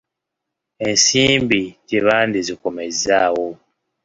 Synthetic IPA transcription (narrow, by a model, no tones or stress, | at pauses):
ensimbiteβandizikomezawo